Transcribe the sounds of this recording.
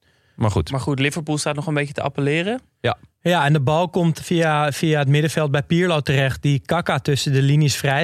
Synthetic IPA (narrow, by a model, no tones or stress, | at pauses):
marxutmaɹxutlɪvəɹpulˠstaːtnɔχənbejətəa̰pəlɪːrə | jajaɛndəbɑlˠkomtfiafiaətmɪdəfɛlˠt̚bɛjpiːɹlowtərɛxt̚dikakatøsədəliniəsfrɛj